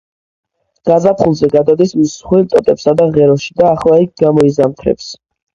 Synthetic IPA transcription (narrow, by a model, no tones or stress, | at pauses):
ɡ̥azapʰχulˠzɛɡad̪ad̪ismisːχwilt̪ʼɔt̪ʼɛpsad̪aʁɛɾɔʃi̥d̪aːχlˠaik̚ɡamɔizamt̪ʰɾɛ̰ps